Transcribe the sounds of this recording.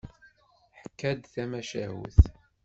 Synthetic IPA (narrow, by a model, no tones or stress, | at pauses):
ħkːæd̪θæmæʃæɦṵθ